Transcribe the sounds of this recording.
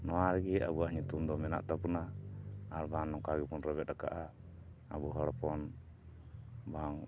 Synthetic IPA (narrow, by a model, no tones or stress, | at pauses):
nɔwaɾɡɛa̰buaʔɲut̪umd̪ɔmɛna̰ʔt̪apunaː | ɾbanːɔŋkaɡipɔnɾɔbɛt̪̚daka̰ʔaː | buɦɔɽɔpɔn | baŋ